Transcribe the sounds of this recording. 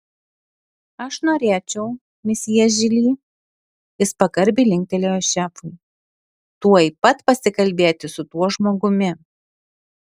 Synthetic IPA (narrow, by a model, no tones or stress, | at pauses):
ɐʃnoːɾʲeːt͡ʃʲɛʊ | mʲɪsʲɛʒʲɪlʲiː | ɪspɐkɐɾʲbʲiːlʲɪŋʲk̚ʲt̪ʲɛlʲeːjoʃʲæːfʊɪ | t̪uɔipɐt̪pɐsʲɪkɐlʲbʲeːt̪ʲɪsʊt̪uɔʒmoːɡʊmʲɪ